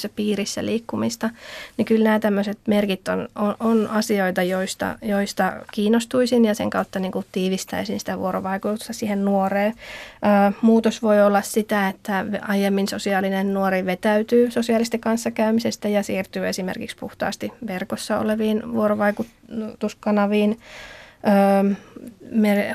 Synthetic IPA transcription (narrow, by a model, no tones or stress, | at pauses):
sːæpiːrisːæ̰liːkːumist̪ɑnikylnæːt̪æmːøset̪merkit̪ːonoʔonɑsioit̪ɑjoist̪ɑ̰joist̪ɑkiːnːˑost̪uisinjɑsḛŋkɑut̪ːɑniːŋkut̪iːʋist̪æ̰isinsi̥t̪æʋṵoɾo̰ʋɑikut̪ust̪ɑsiːhennuoreːøːmuːt̪osʋoiolːɑssit̪æet̪ːæʋɑjemːinsosiɑːlinennuoriʋet̪æyt̪yːsosiɑlist̪ikɑnsːɑkæymisest̪æjɑsiːrt̪yːesimḛrkikspṵht̪ɑ̰ːst̪iʋerkosːɑo̰leʋiːnʋuoɾoʋɑikut | t̪uskɑnɑʋiːn | øː | mer